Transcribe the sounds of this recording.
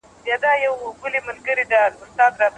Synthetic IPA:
bjɑd̪ajawɡʊlimalɡəɾid̪alʊst̪ɑd̪ɾɑ

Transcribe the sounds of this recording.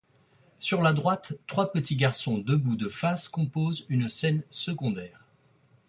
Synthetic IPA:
syʁlad̪ʁwat̪ːχwapət̪iɡaʁsɔ̃d̪əbud̪əfaskɔ̃pozynsɛnsəɡɔ̃d̪ɛːʁ

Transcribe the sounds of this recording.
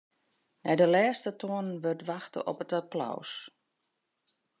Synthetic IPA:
nɛjdəlɛːstətʰoənənʋørtʋaxtə̰ʔɔ̰pətapla̰ws

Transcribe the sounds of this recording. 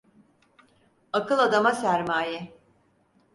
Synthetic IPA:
akɯlˠad̪amasæɾmaːjɛ

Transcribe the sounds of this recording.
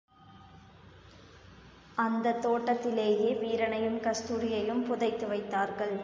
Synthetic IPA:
ʔɐnd̪ɐt̪ːoːʈːɐt̪ːɪleːjeːʋiːɾɐɳɐjɯmkɐst̪uːɾɪjɐjɯmpʊðɐɪt̪ːɯʋɐɪt̪ːaːɾɣɐɭ

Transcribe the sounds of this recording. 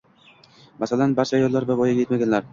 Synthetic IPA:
masalanbaɾt͡ʃʰaːjɒlˠːaɾbabɒjaje̞t̪maɡʲanlaɾ

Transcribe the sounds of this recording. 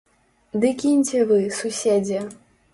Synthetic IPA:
d̪ɨkʲinʲt͡sʲɛvɨsusʲed͡zʲɛ

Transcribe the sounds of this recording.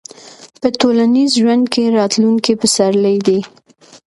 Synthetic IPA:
pətolanizʒwand̪keɾɑt̪luŋkipəsaɾləjd̪i

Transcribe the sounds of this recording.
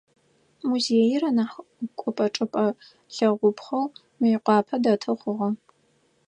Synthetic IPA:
muzeːjɪrɐnaħkʷʼɔpʼɐʈ͡ʂʼɨpʼɐ | ɬɐʁʷʊpχɐw | mɨjɪqʷɑːpʰɐdɐtʰɨχʷʊʁɐ

